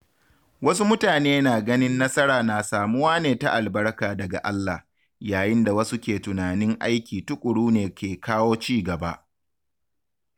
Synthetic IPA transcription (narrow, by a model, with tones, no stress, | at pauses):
wɐ˦su˦mʊ˦taː˨neː˦naː˨ɡɐ˦nɪ˦nːɐ˦sɐ˦ɾaː˨naː˨saː˨mʊ˦waː˦neː˨ta˦˨ʔa˨lbɐ˦ɽkaː˨dɐ˨ɡa̰˨ʔa˦lːa˨h | jaː˨jɪ˦nda˨wɐ˦su˦kʲeː˨tʊ˨naː˨nɪ˦ŋʔa˦jkʲiː˨tʊ˦kʷʼʊ˨ɽuː˦neː˨kʲeː˨kʰaː˦woː˦t͡ʃiː˦ɡɐ˨ba̰˦ʔ